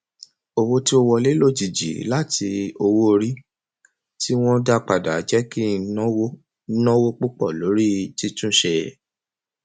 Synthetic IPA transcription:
o˧wo˦ti˦o˧wɔ˧le˦lo˦˨d͡ʒi˨d͡ʒḭ˨˦la˦ti˧o˧wo˦˧ɾi˦ | ti˦w̃ɔ̃˦da˦k͡pa˨da˨˦d͡ʒɛ˦kĩ˦w | nɔ̃˦wo˦k͡pu˦k͡pɔ˦˨lo˨˦ɾi˦ti˦tũ˦˨ʃe˧

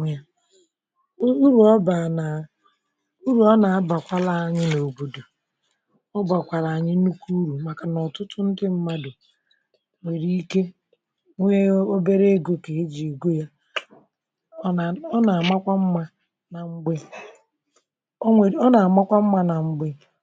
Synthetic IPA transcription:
a˦ | u˦ɾu˨ɔ˦ba˨na˨ | u˦ɾu˨ɔ˦na˨a˦ba˨kʷa˦la˦a˦ɲɪ˦no˨bo˨do˨ | ɔ˦ba˨kʷa˨ɾa˨ɲɪ˦nu˦ku˦ɾu˨ma˨ka˨nɔ˨tʊ˦tʊ˦n̩˦dɪ˦m̩˦ma˦do˨ | ŋʷe˨ɾi˦i˦ke˦ | ŋʷe˦o˦be˦ɾe˦e˦ɡo˦ke˨e˦d͡ʒi˨e˨ɡo˦ja˦˨ | ɔ˦na˨a˨ma˦kʷa˦m̩˦ma˦ | na˨ŋ͡m̩˦ɡ͡be˦ | e˨ɔ˦na˨a˨ma˦kʷa˦m̩˦ma˦na˨ŋ͡m̩˦ɡ͡be˦

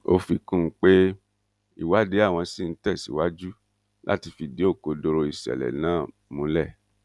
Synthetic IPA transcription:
o˧fi˧kũ˦˧˦k͡pe˦ | ḭ˦˨wa˦de˨˦a˦˨w̃ɔ̃˧si˦˨n̩˦tɛ˦˨sḭ˨˦wa˦d͡ʒu˦ | lʔa̰˦ti˧fi˨de˨˦o˦˨ko˨˧do˧ɾo˧i˨sɛ̰˨lɛ̰˨nãː˦˨ | mũ˨˧lɛ˦˨

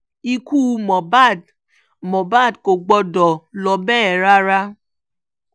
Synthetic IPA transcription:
i˦kuː˦mɔ˨ba˦˨d | mɔ˨ba˦˨dko˨ɡ͡bɔ˧dɔ˨lɔ˨bɛ˦˨ɾa˦ɾa˦

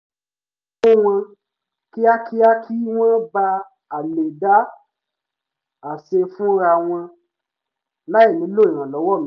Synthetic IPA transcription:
o˦w̃ã˧ | ki˦a˦kʰi˦a˦kʰi˦w̃ã˦ba˧ | a˨le˨da˨˦ | a˨se˧fũ˦ɾa˧w̃ɔ̃˧ | la˦i˦˨nĩ˨˦lo˦˨i˨ɾ̃ã˨lɔ˨˦wɔ˦˨mĩ˦

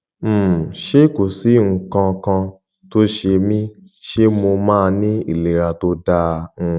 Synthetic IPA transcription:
ʃe˦ko˨si˨˦ŋ̩˨kã˧kã˧ | to˦ʃe˧mĩ˦ | ʃe˦mo˧mãː˦˧nĩ˦ḭ˦˨le˨ɾa˧to˦dã˦˧

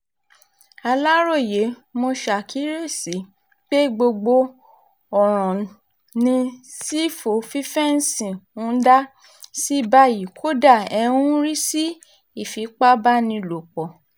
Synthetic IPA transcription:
a˧la˦ɾo˦˨je˨˦ | mo˧ʃa˨kʰi˨˦ɾe˦˨si˨˦ | k͡pe˦ɡ͡bo˧ɡ͡bo˧ | ɔ˨ɾ̃ɔ̃˨ | nĩ˧si˦fo˨fi˦fɛ˦n̩˦sĩ˨ũ˦da˦ | si˦ba˧ji˨kʰo˦da˦˨ɛ˧ũ˦ɾi˦si˦ | i˨fi˨˦k͡pa˦ba˦nĩ˧lo˨k͡pɔ˨

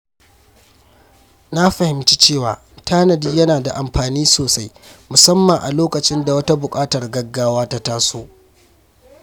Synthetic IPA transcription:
na˦ɸɐ˨hɪ˨mt͡ʃi̥˦t͡ʃeː˦˨wa̰ː˨ | tʰaː˦nɐ˨diː˦jɐ˦naː˨da˨ʔa˨mɸaː˨niː˦soː˨sa˦jmʊ˨sɐ˦mːɐ˨ʔa̰˨loː˦kɐ˨t͡ʃɪ˦nda˨wɐ˦ta˦bʊ˨kʼaː˦tɐ˨rɡɐ˦ɡːaː˦waː˦ta˦taː˦soː˦

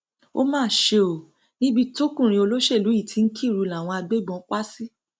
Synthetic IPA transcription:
o̰˦mãː˦˨ʃe˧o˨ | nĩ˦bi˦to˦kũ˦˨ɾĩ˧o˧lo˦ʃe˦˨lu˨˦i˦˨tʰi˨˧˦n̩˦kʰi˦˨ɾu˧la˨w̃ɔ̃˧a˧ɡ͡be˦˨ɡ͡bɔ̃˨˦k͡pa˦si˦

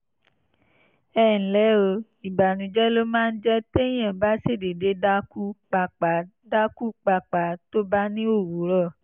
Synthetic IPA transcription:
ɛː˦˨n̩˨lɛ˨˦o˧ | i˨ba˨nũ˨d͡ʒɛ˦lo˦mãː˦˧n̩˦d͡ʒɛ˦te˦j̃ã˨ba˦se˦˨de˨de˧˦da˦ku˦k͡pa˧k͡pa˨ | da˦ku˦k͡pa˧˨k͡pa˨˦to˦ba˦nĩ˦o˦˨wu˨˦ɾɔ˦˨

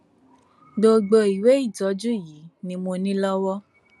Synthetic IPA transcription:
do˧ɡ͡bo˧i˨we˨˦i˦˨tɔ˨˦d͡ʒu˦˨ji˨˦nĩ˧mo˧nĩ˦lɔ˦wɔ˦

